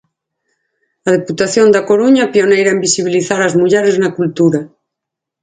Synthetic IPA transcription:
að̞eput̪aθjond̪akoɾuɲapjonejɾaembisiβ̞iliθaɾazmuʎeɾeznakult̪uɾa

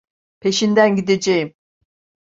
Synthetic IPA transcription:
pʰe̞ʃind̪ænɟid̪ed͡ʒejim

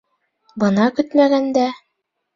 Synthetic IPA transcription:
bɤ̆nɑkɵt̪mæɡænd̪æ

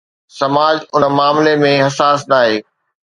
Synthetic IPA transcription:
sɐmaːd͡ʑʊnəmaːmlemẽɦɐsaːsnaːɦeː

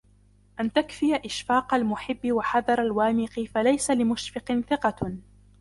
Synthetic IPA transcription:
ʔant̪akfɪjaʔɪʃfɑːqalmʊħɪbːɪwaħɑðˤɑɾˤalwaːmɪqɪfalajsalɪmʊʃfɪqɪnθɪqɑ

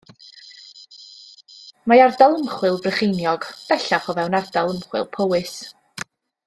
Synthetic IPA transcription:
maardalˠəmχwɪlˠvrəχɪjnjɔɡ̥b̥ɛɬaχɔvɛwnardalˠəmχwɪ̰lˠpʰowɨs

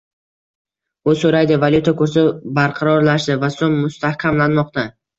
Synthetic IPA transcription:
ʊsɵɾajd̪ɪvalʲˠjut̪ʰakɵɾs̬ɪbaɾqʰɑɾɒɾlaʃd̪ɪvasomːʊst̪ahkʲʰamlanmɒqt̪a

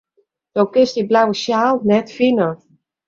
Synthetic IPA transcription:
d̥owkɪstiblawəʃjaːlˠnɛtfinə

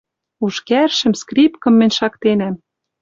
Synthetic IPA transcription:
uʃkærʃɘ̆mskripkɤ̆mːɘ̆nʲʃɑkt̪enæm

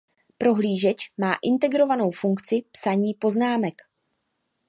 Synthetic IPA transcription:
pɾo̞ɦliːʒɛt͡ʃmaːʔɪnt̪ɛɡɾo̞vano̞wfuŋkt͡sɪpsaɲiːpo̞znaːmɛk

